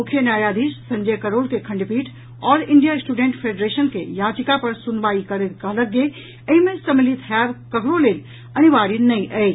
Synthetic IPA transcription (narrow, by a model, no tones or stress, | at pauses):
mʊkʰenjaːjaːd̪iːssɐ̃ɲd͡ʑekɐɾoːlkekʰɐ̃ɳɖpiːʈ | ɔːɾɪ̃ɳɖijaɪsʈuːɖẽːɳʈfʰeːɖɾeːʃənkʰḛːjaːt͡ʃɪkapɐɾsʊnʋaːikɐɾet̪kalɐɡe | ɛ̃ĩmẽsɐmɪlit̪ɦɛːʋkɐɡɾoleːl | ɐniʋaːɾinɐĩʔɐeː